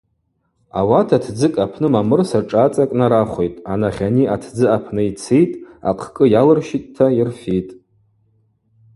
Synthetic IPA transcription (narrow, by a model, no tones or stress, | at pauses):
a̰watʰatʰd͡zɨkʼapʰnɨmamɨrsaʈ͡ʂʼat͡sʼakʼnaɾaχʷe̞jtʼanaχʲaniatʰd͡zɨapʰnɨit͡sʰejtʼa̰qʰkʼɨjalɨrʃitʼtʰːairfitʼ